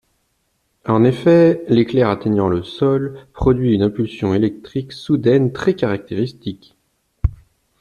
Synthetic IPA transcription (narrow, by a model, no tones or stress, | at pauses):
ɑ̃nefɛleklɛʁat̪eɲɑ̃ləsɔlpχɔd̪ɥiynɛ̃pylsjɔ̃elɛk̚t̪χiksud̪ɛnt̪χɛkaʁak̚t̪eʁist̪ik